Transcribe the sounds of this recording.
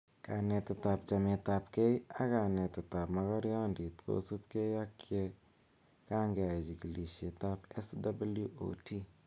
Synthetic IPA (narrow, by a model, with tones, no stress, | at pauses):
ka˨ne˧t̪ːeta˨p̚t͡ʃa˨me˧t̪a˧pke˦ja˦ka˨ne˨t̪e˨t̪a˨pmɐ˦ɣɔ˦ɾja˦ndi˨t̪kʰo̰˨su˦p̚ke˦ja˦kʰːje˦ | ka˦ŋɡe˨a˨i˨d͡ʒi˨ɡi˨li˨ʃe˨t̪a˦pe˦sdabljuʔo̰˨tʰi˦